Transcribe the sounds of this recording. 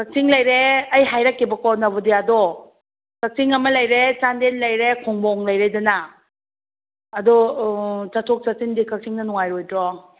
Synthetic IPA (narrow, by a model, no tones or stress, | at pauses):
kak̚siŋlɐjɾeɐjɦajɾakːibɐkɔnɐbɔdiadɔ | kak̚siŋɐmɐlɐjɾet͡ʃandenlɐjɾekʰɔŋbɔŋlɐjɾedana | dɔ | t͡ʃatʰɔk̚t͡ʃatindikak̚siŋnɐnɔŋajɾojdɾɔ